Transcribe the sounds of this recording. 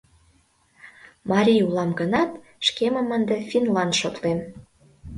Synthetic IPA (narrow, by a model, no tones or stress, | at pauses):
mɑɾʲiulɑmɡənɑt̪ | ʃkemə̆mənd̪efʲinlɑnʃot̪lem